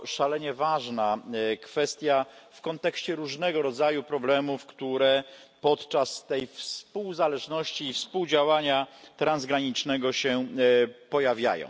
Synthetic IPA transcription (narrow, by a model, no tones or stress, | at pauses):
ʂalɛɲɛvaʐnakfɛst̪ʲjafkɔnt̪ɛkɕt͡ɕɛɾuʐnɛɡɔɾɔd̪zajupɾɔblɛmufkt̪uɾɛ | pɔt̪t͡ʂast̪ɛjfspuwzalɛʐnɔɕt͡ɕiːfspuwd͡ʑawaɲat̪ɾanzɡɾaɲit͡ʂnɛɡɔɕɛ | pɔjavʲja̰jɔ̰̃w̃